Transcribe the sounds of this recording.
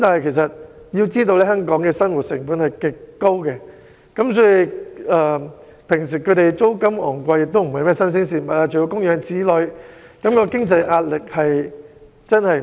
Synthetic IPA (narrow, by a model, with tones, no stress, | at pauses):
t̪aː˨nhɐ˨˩jkʰe˨˩s̬ɐ˨t̚ | ji˧wt͡siː˥t̪o˧wlɛː˥ɦœː˥ŋkɔː˨˥ŋkɛː˧sɐ˥nwu˨t̚sɪ˨˩ŋpuː˨˥nhɐ˨jkɪ˨kːo˥wkɛ˧ | kɐ˨˥msɔː˨˥ji˨˧ɛː˨ | pʰɪ˨˩ŋs̬iː˨˩kʰɵ˨˧ɥt̪e˨jt͡so˥wkɐ˥mɔ̰ː˨˩ŋkʷɐ˧jɪ˨k̚t̪o˥m̩˨˩hɐ˨jmɛ˥sɐ˥ns̬iː˥ns̬iː˧˩mɐ˨t̚ːaː˧t͡ʃɵ˨jo˨˧˥kʊ˥ŋjœː˨˥ŋt͡siː˨˥lɵ˨˧ɥkɐ˨˦mkɔː˧kɪ˥ŋt͡sɐ˧jʔaː˧t̚lɪ˨k̚hɐ˨j | t͡sɐ˥nhɐ˨j